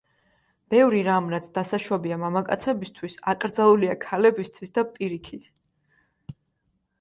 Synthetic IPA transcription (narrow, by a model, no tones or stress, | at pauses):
b̥ɛvɾiɾamɾat̪sʰd̪asaʃwɔbiamamakʼa̰t̪sʰɛbist̪ʰwisakʼɾd̪zalˠuliakʰalɛbist̪ʰwisd̪apʼiɾikʰit̪ʰ